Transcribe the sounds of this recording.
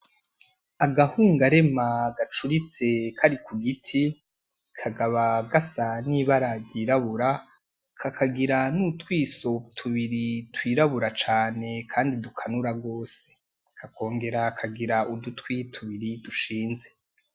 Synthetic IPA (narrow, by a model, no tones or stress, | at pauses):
aɡahuːŋɡaɾe̞maɡat͡ʃuɾit͡se̞kʰaɾikuɡitʰi | kʰaɡaβaɡasaniβaɾaɟiːɾaβuɾa | kʰakaɡiɾanutwiːso̞tʰuβiɾitwiːɾaβuɾat͡ʃaːne̞kʰaːndidukʰanuɾaɡo̞ːse̥ | kʰako̞ːŋɡe̞ɾakʰaɡiɾaudutwitʰuβiɾiduʃiːnze̞